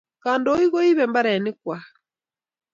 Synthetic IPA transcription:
ka˨ndɔ˦i˦ɣɔ˦i˦βɛ˨mba˦ɾɛ˨ni˦kwa˨

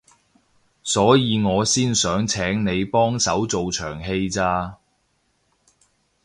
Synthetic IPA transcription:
sɔː˨˥jiː˨˧ŋɔː˨˧siː˥nsœː˨˥ŋt͡sʰɛː˨˥ŋne˨˧jpɔː˥ŋsɐ˨˥wt͡so˨wt͡ʃʰœː˨˩ŋɦe˧jt͡saː˧

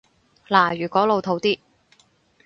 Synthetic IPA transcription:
laː˨˩jyː˨˩kʷɔː˨˥lo˨˧wt̪ʰo˨˥wt̪iː˥

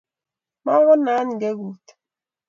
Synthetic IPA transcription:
ma˦ɣɔ˦na˦n˨ɡe˦ɣu˨t

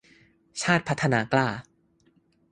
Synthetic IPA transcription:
t͡ɕʰaː˥˩t̪̚pʰa˦˥t̪ʰːa˧naː˧klaː˥˩

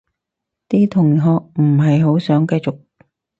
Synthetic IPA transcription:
t̪iː˥t̪ʰʊ˨˩ŋɦɔː˨˧k̚m̩˨˩ɦɐ˨jɦo˨˥wsœː˨˥ŋkɐ˧jt͡sʊ˨k̚

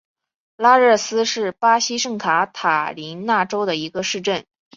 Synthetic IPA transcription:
la˥ɻə˥˩sɹ̩˥ʂɻ̩˥˩pa˥ɕi˥ʂɤ˥˩ŋkʰa˧˥t̪ʰa˨˩li˧˥nna˥˩ʈ͡ʂo˥ʊd̪ə˨i˧˥ɡə˧ʂɻ̩˥˧ʈ͡ʂə˥˩n

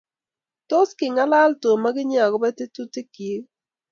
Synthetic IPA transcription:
to˦skɪ˨ŋa˦la˦lto˨ma˦ɡɪ˦ɲ˦a˨ɡɔ˨˦bɛ˦te˦tu˦te˦ki˨˦

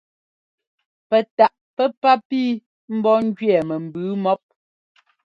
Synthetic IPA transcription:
pɛ˨ta˨ʔpɛ˦pa˦piː˦ | m̩˦bɔ˦ŋ̩˦d͡ʒɥɛ˨mɛ˨m̩˨bʉ˨˦mɔ˦p̚

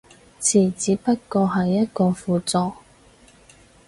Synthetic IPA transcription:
t͡sʰiː˨˩t͡siː˨˧˥pɐ˥t̚kɔː˧ɦɐ˨jːɐ˥t̚kɔː˧fuː˨˧t͡sɔː˨

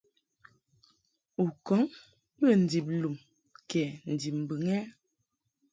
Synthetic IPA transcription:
u˨kɔ˨˦ŋ | bə˦˨n̩˨di˨p̬̚lu˨m | kɛ˨n̩˨di˨p̚m̩˨bɨ˨ŋɛ˦

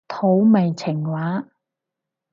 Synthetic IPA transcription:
t̪ʰo˨˥wme˨jt͡sʰɪ˨˩ŋwaː˨˥

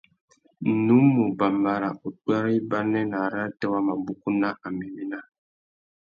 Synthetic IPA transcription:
nu˨˦mːu˨ba˨mba˦ɾa˨ʔu˨twa˦ɾi˦ba˦nɛ˦na˨ɾa˦tɛ˦wa˦ma˨bu˦ku˦na˦ʔa˨mi˨mi˦na˦

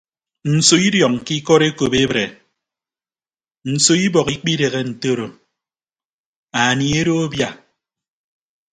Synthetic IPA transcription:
n̩˨so˨i˦djɔ˨k̚ŋ̩˨ki˦kɔ˦ɾe˦ko˨be˦bɾe˨ | n̩˨so˨i˦bɔ˨ki˦k͡pi˦de˨ɣe˦n̩˨to˦ɾo˨ | a˨ni˨e˦ɾo˦o˦bja˦

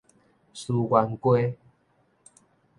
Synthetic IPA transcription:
su˧ɡwa˧nkwe˦

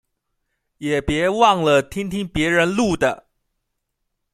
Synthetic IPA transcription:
jɛ˨˩pjɛ˧˥wɑ˥˩ŋlə˨t̪ʰi˥ŋt̪ʰi˥ŋpjɛ˧˥ɻə˧˥nlu˥˩d̪ə˩

